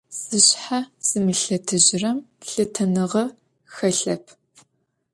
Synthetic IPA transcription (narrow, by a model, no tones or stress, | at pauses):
z̥ɨɕħaz̥ɨmɨɬɐtʰɨʑɪrɐmɬɨtʰɐnɨʁɐ | xɐɬɐpʰ